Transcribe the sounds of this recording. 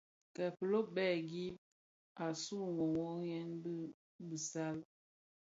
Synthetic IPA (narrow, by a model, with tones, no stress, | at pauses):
kɛ˨pə˨lo˦bɛ˦˨ɡi˦ | a˨su˦˨ŋo˨ŋo˦jɛ˦nbi˦ | bi˨sa˦l